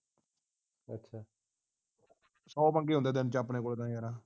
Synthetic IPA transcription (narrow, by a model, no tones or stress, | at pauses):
ətːʃʰaː | sɔːpə̃ŋɡeːɦʊ̃nd̪aːd̪ɪnt͡ʃaːpneːkoːlet̪ãːijaːɾãː